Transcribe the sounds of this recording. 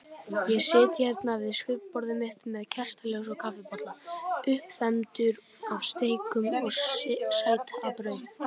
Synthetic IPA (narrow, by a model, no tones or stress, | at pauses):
jɛsɪːt̪çɛɾt̪navɪðskʏppɔɾðɪmɪht̪mɛðcʰɛr̥st̪alowsɔkʰafɪpɔt̪laʏhpθɛmt̪ʏɾ | avst̪ejkʏmɔɣsaːjt̪apɾœɥðʏm